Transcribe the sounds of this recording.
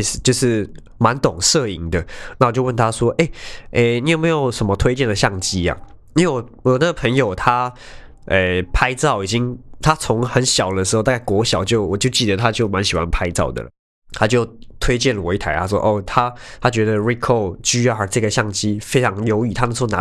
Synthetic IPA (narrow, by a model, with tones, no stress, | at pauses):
s̩˨˧t͡ɕjo˥˧ʊʂɻ̩˥˩ | ma˧˦nt̪ʊ˨˩ŋʂɤ˥˧˩i˧˥ŋd̪ə˨na˥˩wɔ˨˩t͡ɕjo˥˧wə˥˩nt̪ʰa˥ʂwɔ˥ʔe˥˩ɪe˥˩ni˧˥jo˨˩me˧˥ɪjo˨˩ʊʂə˨˩mə˦t̪ʰwe˥ɪt͡ɕjɛ˥˩nd̪ə˩ɕjɑ˥˩ŋt͡ɕi˦ja̰˨˩ | i˧we˥˩wɔ˨˩wɔ˨˦na˥˩ɡə˩pʰə˧˥ŋjo˨˩ʊt̪ʰa˥ | e˨˩pʰa˥ɪt͡sɑ˥˩ʊi˨˩t͡ɕi˦˥ŋt̪ʰa˥t͡sʰʊ˧˥ŋxə˨˦nɕjɑ˨˩ʊd̪ə˦ʂɻ̩˧˥o˥˧t̪a˥ka˥˩kwɔ˧˥ɕjɑ˨˩ʊt͡ɕjo˥˩ʊwɔ˨˩t͡ɕjo˥˧ʊt͡ɕi˥˩d̪ə˨˩t̪ʰa˦˥t͡ɕjo˥˩ʊma˧˦nɕi˨˩xwa̰˦˥npʰa˥ɪt͡sɑ˥˩ʊd̪ə̰˩lə̰˩ | t̪ʰa˥t͡ɕjo˥˩ʊt̪ʰwe˥ɪt͡ɕjɛ˥˩nlə˨˩wɔ̰˧˥ɪtʰa˧˥ɪt̪ʰa˥ʂwɔ̰˥ʔo˥˩t̪ʰa˥t̪ʰa˥t͡ɕɥɛ˧˥d̪ə˧ɹi˥kʰo˥˧ʊɕy˥jɑ˥˩ə˞˧˥ʈ͡ʂɤ˥˩ɡə˩ɕjɑ˥˩ŋt͡ɕi˥fe˥ɪt͡sʰɑ˧˥ŋjo˧˥ʊy˨˩t̪ʰa˥ə˨˧˥na˧˦